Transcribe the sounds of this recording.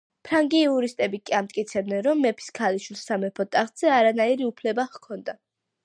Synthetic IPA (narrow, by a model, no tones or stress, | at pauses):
pʰɾaŋɡiːuɾist̪ʼɛbikʼiamt̪ʼkʼit̪sʰɛbd̪ɛnɾɔmːɛpʰi̥skʰaliʃwilˠsamɛpʰɔt̪ʼaχt̪ʼz̥ɛaɾanaiɾiupʰlɛbaχkʰɔnd̪a